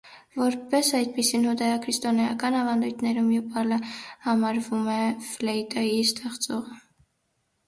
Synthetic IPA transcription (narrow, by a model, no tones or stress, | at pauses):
vɔɾpɛsɑjd̪̚pisinhɔd̪ɑjɑkʰɾist̪ɔnɑjɑkɑnɑvɑnd̪ujt̪ʰnɛɾumjupɑləhɑmɑɾvumɛflɛit̪ɑjist̪ɛχt͡sɔʁə